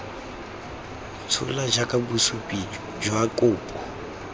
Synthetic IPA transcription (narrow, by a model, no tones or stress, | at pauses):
t͡sʰʊ̰lad͡ʒakʼabusupʼi | d͡ʒwakʼʊːpʼɔ